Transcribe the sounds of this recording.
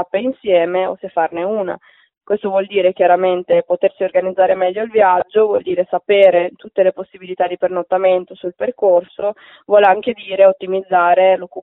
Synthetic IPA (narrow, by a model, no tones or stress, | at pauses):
apːeinsjɛːmeo̰sefːarneuːna̰ | kwest̪ovwɔld̪iːɾekjaɾament̪epot̪ersiorɡanid̪zːaːɾemɛʎːoilvjad͡ʒːovwɔld̪iːɾesapeːɾet̪ut̪ːeleposːibilit̪ad̪ipernot̪ːament̪osulperkorso | vwɔːleaŋk̟ed̪iːɾeot̪ːimid̪zːaːɾelokːu